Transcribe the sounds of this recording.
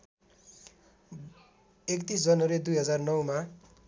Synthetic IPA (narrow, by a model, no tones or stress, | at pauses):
ekt̪isd͡zʌnʌɾed̪ujɦʌd͡zarnʌwma